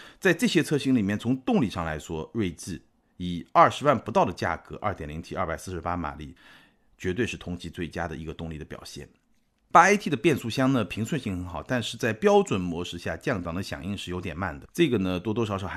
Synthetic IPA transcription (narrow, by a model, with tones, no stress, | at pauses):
t͡sa˥˧ɪʈ͡ʂɤ˥˩ɕjɛ˥t͡sʰɤ˥˧ɕi˥ŋli˨˩mjɛ˥˩nt͡sʰʊ˧˥ŋt̪ʊ˥˧ŋli˥˩ʂɑ˥˩ŋla̰˧˥ɪʂwɔ˥we˥˧ɪt͡sɹ̩˥˩ | i˨˩ɐ˞˥˩ʂɻ̩˧˥wa˥˩npu˧˥t̪ɑ˥˩ʊd̪ə˩t͡ɕja̰˥˩kɤ˧˥ʔɐ̰˥˩t̪jɛ˨˩nli˧˥ŋt̪ʰi˧˥ɐ˥˩pa˨˩ɪsɹ̩˥˩ʂɻ̩˧˥pa˥ma̰˨˩lḭ˥˩ | t͡ɕɥɛ˧˥t̪we˥˧ɪʂɻ̩˥˩t̪ʰʊ˧˥ŋt͡ɕi˧˥t͡swe˥˩ɪt͡ɕja˥d̪ə˨i˧˥ɡə˧t̪ʊ˥˧ŋli˥˩d̪ə˩pjɑ˨˩ʊɕjɛ̰˥˩n | pa˥a˥ɪt̪ʰi˥˩d̪ə˩pjɛ˥˧nsu˥˩ɕjɑ˥ŋnə˩pʰi˧˥ŋswə˥˧nɕi˥˩ŋxə˧˥nxɑ˨˩˦ʊt̪a˥˧nʂɻ̩˥˧t͡sa˥˩ɪpjɑ˥ʊʈ͡ʂwə˨˩nmwɔ˧˥ʂɻ̩˥˧ɕja̰˥˧t͡ɕjɑ˥˩ŋt̪ɑ˨˩ŋd̪ə˦ɕjɑ̰˨˩ŋi˥˧ŋʂɻ̩˥˩jo˧˥ʊt̪jɛ˨˩nma̰˥˩nd̪ə˩ʈ͡ʂɤ˥˩ɡə˩nə˧t̪wɔ˥t̪wɔ˥ʂɑ˨˧˥ʊʂɔ˧˥˩ʊ˧˥